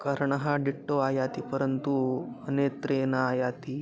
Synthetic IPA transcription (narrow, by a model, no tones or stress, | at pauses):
kəɾɳəɦãɖiʈːoajat̪ipəɾənt̪uənet̪ɾenaajat̪i